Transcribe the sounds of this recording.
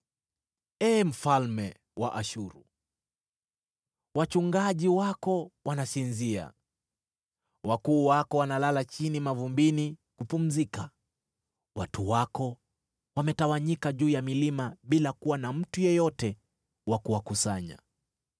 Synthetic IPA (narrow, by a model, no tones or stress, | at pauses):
ɛːm̩falmɛ | wa̰ʔaʃuɾu | wat͡ʃuŋɡaʄiwakɔwanasinzia̰ | wakuːwakɔwanalalat͡ʃinimavumbinikupum̩zika | watuwakɔ | wamɛtawaɲikaʄuːjamilimaɓilakuwanam̩tujɛjɔtɛ | wakuwakusaɲa̰